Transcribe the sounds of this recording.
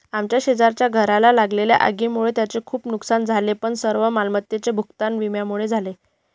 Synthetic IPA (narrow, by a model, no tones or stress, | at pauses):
amt͡ɕjaɕed͡zaɾt͡ɕjaɡʱəɾalalaɡlelja̰ʔa̰ɡiːmuɭet̪jat͡sekʰuːpnuksand͡zʱalepəɳsəɾʋəmalmət̪jet͡sebʱukt̪anʋimjamuɭed͡zʱale